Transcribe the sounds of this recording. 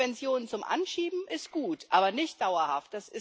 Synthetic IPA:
ɛnt͡sjoːnt͡sʊmʔa̰nʃiːbm̩ɪstɡ̥uːtʔaːbɐnɪçtd̥aʊɐhaft̚d̥asɪs

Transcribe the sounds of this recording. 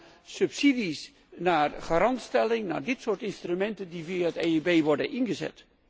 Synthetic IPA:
sɵpsidis | naːrχaɾɑntstɛlɪŋna̰ːɹdɪtsʊːɹtɪnstrymɛntəndiviaəteibeːʋɔɹdənʔɪnɣəzɛ̰t

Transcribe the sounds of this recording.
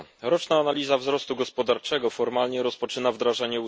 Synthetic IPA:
ɾɔt͡ʂnaːnalʲizavzɾɔst̪uɡɔspɔd̪aɾt͡ʂɛɡɔfɔɾmalɲɛɾɔspɔt͡ʂɘnavd̪ɾaʐaɲɛu

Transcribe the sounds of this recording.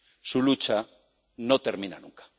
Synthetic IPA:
sulut͡ʃa | not̪eɾmĩna̰nṵŋkḁ

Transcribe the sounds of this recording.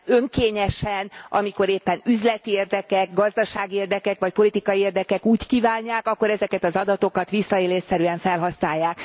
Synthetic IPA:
ø̞ŋkeːɲɛʃɛnɒ̰miko̞ɾeːpːɛnyzlɛt̪ieːrd̪ɛkɛk̚ɡɒzd̪ɒʃaːɡieːrd̪ɛkɛkʋɒc̚po̞lit̪ikɒjieːrd̪ɛkɛkuːckiːvaːɲːaːkɒkːo̞ɾɛzɛkɛt̪ɒzɒd̪ɒt̪o̞kɒt̪ʋisːɒeːleːsɛɾyɛɱfɛlɦɒsnaːjːaːk

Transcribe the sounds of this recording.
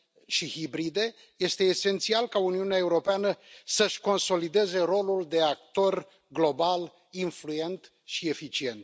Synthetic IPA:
ʃihibɾid̪e̞ | je̞st̪e̞ːse̞nt̪sialkauniuneae̞uɾo̞peanəsəʃko̞nso̞lid̪e̞ze̞ɾo̞luld̪e̞ak̚t̪o̞r | ɡlo̞bal | influje̞nt̪ | ʃie̞fit͡ʃie̞nt̪

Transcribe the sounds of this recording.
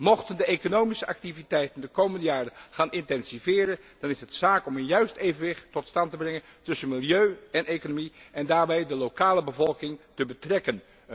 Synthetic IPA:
mɔχtəndəejkonowmisəʔɑktivitɛjtəndəkowməndəjaːrənχaːnɪntɛnzivɪːɾən | d̥ɑnɪsɦətsaːkɔmənjœɥstejvənʋɪχtɔtstɑntəbrɛŋəntɵsənmɪlˠjøɥɛnejkonomiɛndaːɹbɛjdəlowkaːləbəvɔlˠkɪŋtəbətrɛkən

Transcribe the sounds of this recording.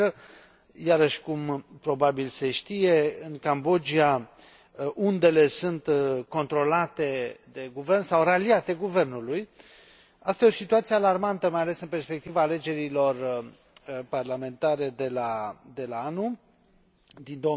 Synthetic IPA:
ə | jaɾəʃkumpɾo̞babilse̞ʃt̪ije̞ɨnkambo̞d͡ʒia | ʔund̪e̞le̞sunt̪ko̞nt̪ɾo̞lat̪e̞d̪e̞ɡuve̞rnsawraliat̪e̞ɡuve̞rnuluj | ast̪ajeo̞sit̪uat̪siealarmant̪əmajalesɨnpe̞rspe̞k̚t̪ivaːle̞d͡ʒe̞ɾilo̞r | parlame̞nt̪aɾe̞d̪e̞lad̪e̞laanu | d̪ind̪o

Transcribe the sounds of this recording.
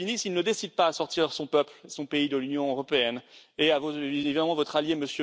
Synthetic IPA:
inisilnəd̪esid̪̚paːsɔʁt̪iʁsɔ̃pœplesɔ̃peid̪əlynjɔ̃øʁɔpeɛneavoevid̪amɑ̃vɔt̪χaljeməsjø

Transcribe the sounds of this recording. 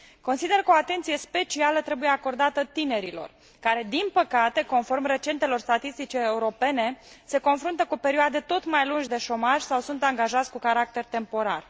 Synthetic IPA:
ko̞nsid̪e̞rkəoat̪e̞nt̪sije̞spe̞t͡ʃialət̪ɾe̞buje̞ako̞rd̪at̪ət̪ine̞ɾilo̞̰r | kaɾe̞d̪inpəkat̪e̞ko̞nfo̞rmre̞t͡ʃe̞nt̪e̞lo̞rst̪at̪ist̪it͡ʃeːuɾo̞pe̞ne̞se̞ko̞nfɾunt̪əkupe̞ɾioad̪e̞t̪o̞t̪majlunʒʲd̪e̞ʃo̞maʒʲsawsunt̪aŋɡaʒat̪sʲkukaɾak̚t̪e̞rt̪e̞mpo̞ɾa̰r

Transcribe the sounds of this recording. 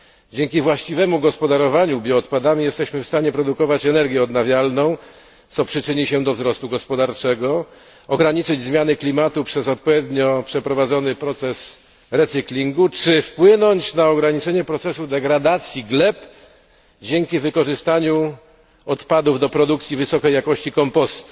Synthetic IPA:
d͡ʑeŋkʲivwaɕt͡ɕivɛmuɡɔspɔd̪aɾɔvaɲubʲjɔːt̪pad̪amʲijɛst̪ɛɕmɘfst̪aɲɛpɾɔd̪ukɔvat͡ɕɛnɛɾɡʲjɛɔd̪navʲjalnɔ̃w̃ | t̪sɔpʂɘt͡ʂɘɲiɕɛd̪ɔvzɾɔst̪uɡɔspɔd̪aɾt͡ʂɛɡɔ | ɔɡɾaɲit͡ʂɘd͡ʑzmʲjanɘklʲimat̪upʂɛzɔt̪̚pɔvʲjed̪ɲɔpʂɛpɾɔvad̪zɔnɘpɾɔt̪sɛs | ɾɛt̪sɨklʲiŋɡut͡ʂɘfpwɘnɔɲt͡ɕnaɔɡɾaɲit͡ʂɛɲɛpɾɔt̪sɛsud̪ɛɡɾad̪at̪sʲjiɡlɛp | d͡ʑɛŋkʲivɘkɔʐɘst̪aɲu | ɔt̪pad̪uvd̪ɔpɾɔd̪uk̚t̪sʲjivɘsɔkɛjakɔɕt͡ɕikɔmpɔst̪u̥

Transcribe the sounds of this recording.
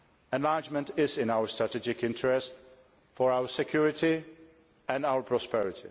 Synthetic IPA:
ɛ̃nlaɹd͡ʒmə̃ntɪzɪ̃naʊə˞stɹ̥atɛd͡ʒɪkɪ̃ntʰəɹɛst | fɔɹaʊə˞sɛkʰj̥uɹɪti | ɛ̃naʊə˞pʰɹɔspɛɹɪtʰi

